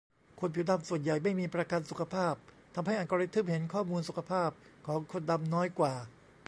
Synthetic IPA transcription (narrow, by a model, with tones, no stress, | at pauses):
kʰo˧˥npʰi˨˩da˧msu˨˩ənja˨˩jma˥˩jmiː˧pɾa˧ka˧nsu˨˩kʰa˧pʰaː˥˩p̚t̪ʰa˧mha˥˩jʔa˨˩ka˧ɾi˦˥t̪ʰːɯ˦˥˩p̚ɦe˩˦nkʰɔː˥˩muː˧nsu˨˩kʰa˧pʰaː˥˩p̚kʰɔː˩˦ŋkʰo˧nda˧mnɔː˦˥jkwaː˨˩